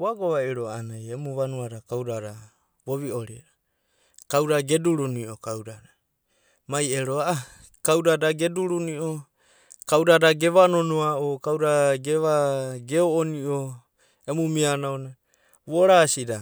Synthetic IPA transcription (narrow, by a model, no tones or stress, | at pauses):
uaɡoβaiɾoanajemuβanuaɾakawɾaɾa | βo̞βio̞ɾiɾa | kawɾaɡe̞duɾuniʔokawdaɾa | maje̞ɾoaa | kawdadaɡe̞duɾuniʔo | kawɾadaɡe̞βano̞noaokawɾaɡe̞βaɡeoːniʔo | emumianaona | βoɾasida